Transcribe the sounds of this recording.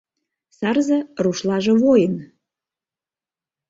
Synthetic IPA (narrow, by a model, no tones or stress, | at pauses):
sɑrzɤ̆ruʃlɑʒĕβojən